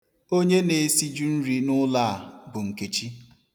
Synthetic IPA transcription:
o˦ɲe˦ne˨˦si˦d͡ʒu˦n̩˦ɾi˦nʊ˦la˦˨a˨bʊ˨ŋ̩˨ke˨t͡ʃi˦

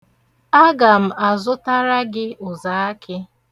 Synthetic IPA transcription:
a˦ɡa˨m̩˨a˨zʊ˦ta˦ɾa˦ɡɪ˦ʊ˨za˨a˦kʰɪ˦

